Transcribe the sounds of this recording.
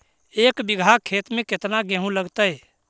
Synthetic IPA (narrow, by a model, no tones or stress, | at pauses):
eːkbiɡʱakʰːeːt̪mẽket̪naɡẽɦũləɡt̪əj